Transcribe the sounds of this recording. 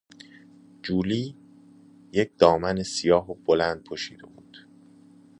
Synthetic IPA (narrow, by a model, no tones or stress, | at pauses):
d͡ʒuːliː | jec̚ʰd̪̥ɒːmænesijɒːɦob̥olænd̪̥̚pʰoʃiːd̪e̞̰buːd̪̥